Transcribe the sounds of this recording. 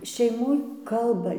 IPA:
ʃʲɛɪˈmoːj ˈkɐlˠbɐ

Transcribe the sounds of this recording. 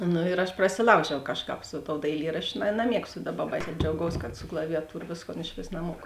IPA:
ˈnʊ ɪr ɐʃ prɐsʲɪˈlˠɐʊʒʲɛʊ ˈkɑːʃˌkɑːp sʊ toːʊ dɐɪˈlʲiːrɐʃʲt͡ʃʲʊ nɐˈmʲiɛkstʊ ˈdɑːˌbɐ bɐɪsʲæː d͡ʒʲɛʊˈɡɐʊs kɐt sʊ klˠɐʋʲɪjɛˈtuːrɐ ˈʋʲeːsˌkoːn ɪʃʲˈʋʲeːs nɐˈmuɔkʊ

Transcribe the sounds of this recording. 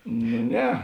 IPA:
nʊ ˈnʲɛ

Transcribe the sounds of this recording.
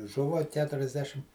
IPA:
ˈʒʊʋɐ ˌkʲæːtʊrʲɛzʲˈdʲæːʃʲɪm

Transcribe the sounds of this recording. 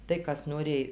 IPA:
tɐɪ ˈkɐs noːˈrʲeːj

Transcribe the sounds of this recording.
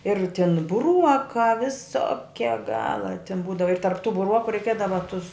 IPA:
ɪr tʲɪn bʊˈruɔkɑː ʋʲɪˈsoːkʲɛ ˈɡɑːlˠɐ tʲɪn ˈbuːdɐʋɐ ɪr tɐrp tʊ bʊˈruɔkʊ rʲɛɪˈkʲiɛdɐʋɐ tʊs

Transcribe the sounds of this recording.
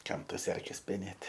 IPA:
ˈkɐm ˈtɐs ˈɛrʲkʲɛs pʲɛˈnʲeːtʲ

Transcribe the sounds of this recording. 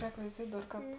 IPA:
ˈrʲɛːk ʋʲɛɪˈzʲiɛtʲ ˈdɐr ˈkɑːp

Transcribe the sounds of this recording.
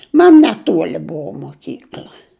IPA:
ˈmɐn nʲɛˈtuɔlʲɪ ˈbuɔ moːˈkʲiːklʲɐ

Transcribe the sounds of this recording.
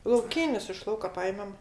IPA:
lˠɐʊˈkʲiːnʲɪs ɪʃ ˈlˠɐʊkɐ ˈpɑːjɛmʲɛm

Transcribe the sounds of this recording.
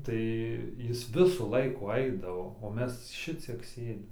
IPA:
ˈtɐɪ ˈjɪs ˈʋʲɪsuː ˈlˠɐɪkuː ˈɐɪdɐʋoː oː ˈmʲɛs ˈʃʲɪt͡sʲiɛk ˈsʲeːdʲɪm

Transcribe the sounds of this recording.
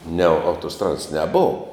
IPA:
nʲɛ ɐʊtoːˈstrɑːdɐs nʲɛˈboːw

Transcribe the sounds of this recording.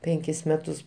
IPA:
ˈpʲɛŋʲkʲɪs ˈmʲæːtʊs

